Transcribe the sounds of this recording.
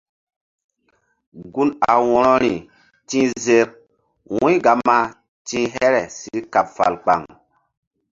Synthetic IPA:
ɡu˦na̰˨wɔ˦ɾɔ˦ɾi˨ | tĩ˦ze˦k̚ | wũ˦jɡa˨˦ma˦ | tĩ˦ɦɛ˦ɾɛ˨si˨ɾka˨p̚fa̰˨lk͡pa˨ŋ

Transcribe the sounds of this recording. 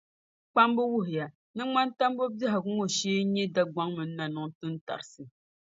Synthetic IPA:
k͡pa˦mbɨ˦wu˦ɦɪ˨ja˨ | nɨ˦ŋ͡ma˦n˦ta˦m˦bo˦ba˦ɦa˨ɡʊ˦ŋo˦ʃiː˦ɲɛ˦da˦ɡ͡ba˦ŋmɨ˨nː˦a˦nɨ˨ŋ˦tɨ˦n˦ta̰˨ɾɨ˨sɨ˨

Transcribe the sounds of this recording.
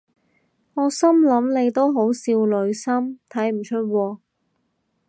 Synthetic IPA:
ŋɔː˨˧sɐ˥mlɐ˨˥mle˨˧jt̪o˥wɦo˨˥wsiː˧wlɵ˨˧˥ɥsɐ˥mt̪ʰɐ˨˥jm̩˨˩t͡ʃʰɵ˥t̚wɔː˧

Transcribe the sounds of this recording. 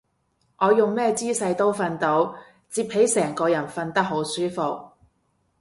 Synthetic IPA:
ŋʔɔː˨˧jʊ˨˩ŋmɛː˥t͡siː˥sɐ˧jt̪o˥wfɐ˧nt̪o˨˧w | t͡siː˧p̚he˨˥jsɛː˨˩ŋkɔː˧jɐ˨˩nfɐ˧nt̪ɐ˥k̚ɦo˨˥wsyː˥fo˨k̚

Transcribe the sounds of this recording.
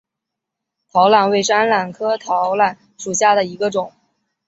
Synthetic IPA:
t̪ʰɑ˧˥ʊla˥˩nwe˥˩ɪʈ͡ʂa˥nla˨˩nkʰɤ˥t̪ʰɑ˧˥ʊla˥˩n | ʂu˨˩ɕja˥˩d̪ə˩i˧˥ɡə˧ʈ͡ʂʊ˨˩˦ŋ

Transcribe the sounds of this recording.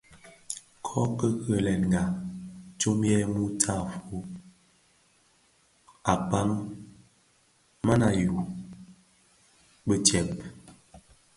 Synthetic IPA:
kʰɔ˦kə˦kə˨lɛ˨n˨ŋɡa˨t͡ʃo˦m˦ɛ˦mu˦tʰa˦˨fu˦ | a˨pa˦m | ma˦na˨ju˨ | bə˦tjɛ˨p̚

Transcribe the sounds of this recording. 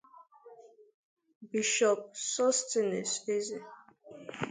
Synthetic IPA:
bi˨ʃɔ˨p̚sɔ˦ste˨ne˨se˦ze˨

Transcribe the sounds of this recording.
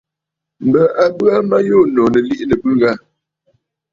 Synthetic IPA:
m̩˨bə˨ʔa˨bɰa˦ma˦jo˦˨nɔ˨nə˨li˦ʔnə˨bʉ˦ɡa˦˨

